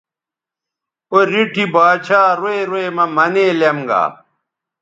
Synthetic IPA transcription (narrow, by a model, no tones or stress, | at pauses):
oɾiʈʰibaːt͡ɕʰaːɾoeɾoemɐmɐneːlemɡa̰ː